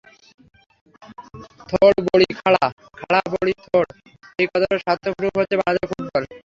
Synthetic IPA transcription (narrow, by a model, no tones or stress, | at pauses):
t̪ʰoɽboɽikʰaɭa | kʰaɭaboɽit̪ʰoɽ | ejkɔt̪aɾeʃat̪ʰːokɾuɦot͡ɕʰːebad͡ʑakʰukkɔɾe